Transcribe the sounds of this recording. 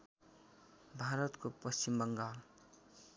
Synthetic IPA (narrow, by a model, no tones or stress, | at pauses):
bʱaɾʌt̪kopʌst͡ɕimbʌŋɡal